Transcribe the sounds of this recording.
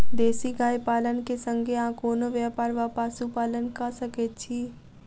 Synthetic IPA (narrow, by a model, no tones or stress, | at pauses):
d̪eːsiɡaːjpaːlənkesə̃ŋɡʱeãːkoːnoʋjaːpaːɾʋaːpaːsupaːlənkasəket͡ʃʰiː